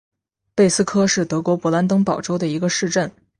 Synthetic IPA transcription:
pe˥˩ɪsɹ̩˥kʰɤ˥ʂɻ̩˥˩t̪ɤ˧˥kwɔ˧˥pɔ˧˥la˧˥nt̪ɤ˥ŋpɑ˨˩ʊʈ͡ʂo˥ʊd̪ə˨i˧˥ɡə˧ʂɻ̩˥˧ʈ͡ʂə˥˩n

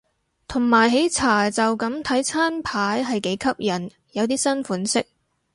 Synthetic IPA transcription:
t̪ʰʊ˨˩ŋmaː˨˩jɦe˨˥jt͡sʰaː˨˩t͡sɐ˨wkɐ˨˥mt̪ʰɐ˨˥jt͡sʰaː˥npʰaː˨˥jɦɐ˨jke˨˥jkʰɐ˥p̚jɐ˨˩n | jɐ˨˧wt̪̬iː˥sɐ˥nfuː˨˥nsɪ˥k̚

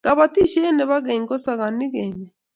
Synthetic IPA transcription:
ɡ̥a˨βa˨ti˦ʃɛ˦nɛ˨βa˦ɣe˨ŋɡɔ˦sa˨ɣa˨ni˦ɣɛ˨ɲe˨

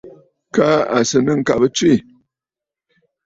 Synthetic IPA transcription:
ka˦a˨sɨ˨nɨ˦ŋ̩˨ka˨bɨ˦t͡swi˦˨

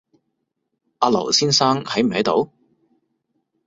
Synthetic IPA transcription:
ʔaː˧lɐ̰˨˩wsiː˥nsaː˥ŋhɐ˨˥jm̩˨˩hɐ˨˥jt̪o̰˨˥w

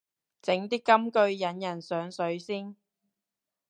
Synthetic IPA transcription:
t͡sɪ˨˥ŋt̪iː˥kːɐ˥mkɵ˧ɥjɐ˨˥njɐ˨˩nsœː˨˥ŋsɵ˨˥ɥsiː˥n

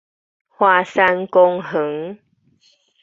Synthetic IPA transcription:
hwa˧sa˧nkɔ˧ŋɦə˨˦ŋ

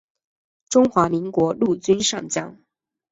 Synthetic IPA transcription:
ʈ͡ʂʊ˥ŋxwa˧˥mi˧˥ŋkwɔ˧˥lu˥˩t͡ɕy˥nʂɑ̰˥˩ŋt͡ɕjɑ˥ŋ

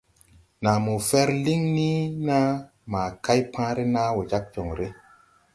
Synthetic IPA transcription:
na˨mu˨fɛ˦ɾli˦ŋni˦na˦ | maː˨ka˦jpʰãː˦ɾe˦na˦we˨d͡ʒa˦k̚t͡ʃo˨ŋɾe˦

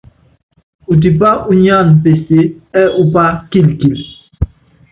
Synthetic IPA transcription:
u˨t̬i˨pa˦ʔu˦ɲ˦a˦˨npe˨se˦ɛ˦ʔu˦pa˦ki˦˨lki˨l

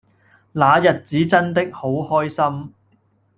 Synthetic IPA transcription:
laː˨˧jɐ˨t̚t͡siː˨˥t͡sɐ˥nt̪̬ɪ˥k̚ho˨˥whɔː˥jsɐ˥m

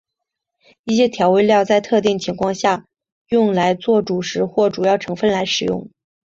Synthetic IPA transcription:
i˥˩ɕjɛ˥t̪ʰjɑ˧˥ʊwe˥˧ɪljɑ˥˧ʊt͡sa˥˧ɪt̪ʰɤ˥˧t̪̬i˥˩ŋt͡ɕʰi˧˥ŋkʰwɑ˥˧ŋɕja˥˩ | jʊ˥˩ŋla˧˥ɪt͡swɔ˥˩ʈ͡ʂu˨˩ʂɻ̩˧˥xwɔ˥˩ʈ͡ʂu˨˩jɑ˥˩ʊʈ͡ʂʰɤ˧˥ŋfə˥˩nla˧˥ɪʂɻ̩˨˩jʊ̰˥˩ŋ

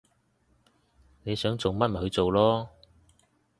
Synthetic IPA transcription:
ne˨˧jsœː˨˥ŋt͡so˨wmɐ˥t̚m̩˨˩hɵ˨˧ɥt͡so˨wlɔː˥

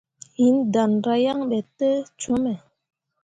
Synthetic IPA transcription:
hi˨˦nd̪a˨nɾa˦ja˦ŋɓɛ˨t̪ːə˦t͡ʃo˦mɛ˨

